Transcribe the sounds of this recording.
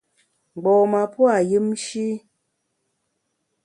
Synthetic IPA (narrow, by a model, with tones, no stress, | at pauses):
ɡ͡bɔ˨ma˨pwa˦˨jɨ˦mʃi˦